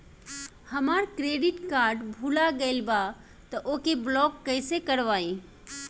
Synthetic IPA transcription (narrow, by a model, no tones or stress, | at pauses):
həmaːɾkɾeːɖɪʈkaːɾɖbʱulaɡəɪlba | t̪əʔokeblɔːkːəɪsekəɾʋaːĩ